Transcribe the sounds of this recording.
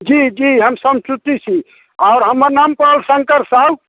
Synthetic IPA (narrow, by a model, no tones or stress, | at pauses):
d͡ʒid͡ʒiɦəmsəmt͡ʃut̪it͡ʃʰi | aʊɾɦəməɾnampəlsəŋkəɾsab